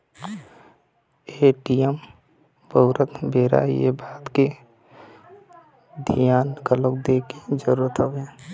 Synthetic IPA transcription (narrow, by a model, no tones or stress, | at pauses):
eːʈijəm | bəʊɾət̪beːɾa̰jḛbaːt̪ke | d̪ʱijaːnɡələk̚d̪eːkid͡ʒəɾuːɾət̪ɦəʋe